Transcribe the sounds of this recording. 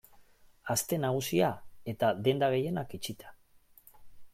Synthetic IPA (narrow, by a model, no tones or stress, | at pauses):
ast̪e̞naɣ̞usiae̞t̪aðe̞nd̪aɣ̞e̞je̞nakit͡ʃit̪ʰḁ